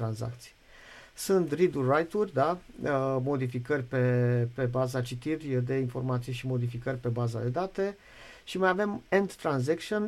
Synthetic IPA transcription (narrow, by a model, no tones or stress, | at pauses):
ɾanza̰k̚t̪si̥j | sunt̪rid̪urajt̪urʲd̪a | mo̞d̪ifikərʲpe̞pe̞bazat͡ʃit̪irʲd̪e̞info̞rmat̪sijeʃimo̞d̪ifikərʲpe̞baza̰d̪e̞d̪at̪e̞ | ʃimajave̞mend̪ːɾanzekʃion